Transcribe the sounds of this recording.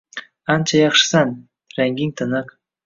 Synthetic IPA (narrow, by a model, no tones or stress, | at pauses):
ɑnt͡ʃajɑχʃɨ̥sɑn | ɾæŋɡʲiŋt̪ʰɤ̆nɤq